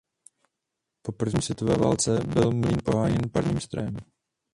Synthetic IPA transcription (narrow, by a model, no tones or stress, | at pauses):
po̞pr̩vɲiːsvʲjɛt̪ovɛːva̰ːlt͡sɛbɪlmliːnpo̞ɦaːjɛnpaɾɲiːmst̪ɾojɛm